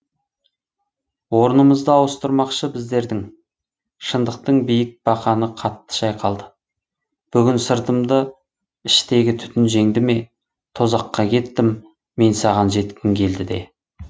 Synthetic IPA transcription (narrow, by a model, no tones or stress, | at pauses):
wo̞ɾənəməzd̪əɑwəst̪əɾmɑqʃəbɪzd̪e̞ɾd̪ɪŋ | ʃənd̪əq̚t̪əɴbijɪk̚b̥ɑqɑnəqʰɑt̪ːə̥ʃɑjqɑlˠd̪ə | b̥ʏɡʲɪnsəɾt̪əmd̪ə | ɪʃt̪e̞ɡʲɪt̪ʰʏ̥t̪ɪnʒe̞ŋd̪ɪme̞ | t̪ʰo̞zɑqːɑkʲʰe̞t̪ːɪmː | e̞nsɑʁɑnʒe̞t̪kʲɪmkʲʰe̞ld̪ɪd̪e̞̰